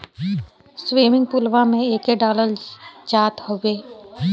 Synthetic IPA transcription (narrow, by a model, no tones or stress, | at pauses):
swiːmɪ̃ŋɡ̚pʊlʋamẽeːkeɖaːləɾd͡ʒaːt̪howeː